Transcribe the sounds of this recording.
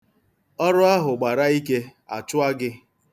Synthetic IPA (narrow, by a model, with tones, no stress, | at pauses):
ɔ˦ɾʊ˦a˦ɦʊ˨ɡ͡ba˨ɾa˦i˦ke˦a̰˨t͡ʃʊ˦a˦ɡɪ˦